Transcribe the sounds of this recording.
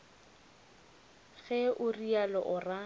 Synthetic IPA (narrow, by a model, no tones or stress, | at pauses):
ɣɛʔʊrialɔʔʊra